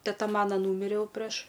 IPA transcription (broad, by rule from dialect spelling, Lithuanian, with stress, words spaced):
tʲɛˈtɐ ˈmɑːnɐ ˈnuːmʲɪrʲeː ˈjɛʊ pʲrʲɛʃ